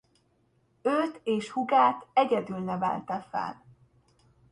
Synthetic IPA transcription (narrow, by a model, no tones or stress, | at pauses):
øːt̪eːʃhuɡaːt̪ɛɟɛd̪ylnɛvɛ̰lt̪ɛfɛ̰l